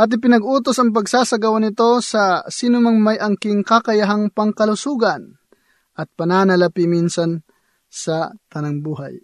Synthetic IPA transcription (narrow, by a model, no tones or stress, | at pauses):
ʔaːt̪̬ɪp̬ɪnɐɡuːt̪osɐŋp̬ɐɡsaːsɐɡawanɪt̪o̞sɐsiːnʊmaŋmajɐŋkɪŋkakɐjaɦaŋpɐŋkɐlʊsuːɡɐn | ʔɐt̪̚pɐnaːnɐlɐpiminsɐn | sɐt̪ɐnaŋbuːɦa̰j